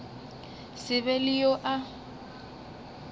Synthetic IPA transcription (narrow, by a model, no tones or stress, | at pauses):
sɪβɛlɪjoʔa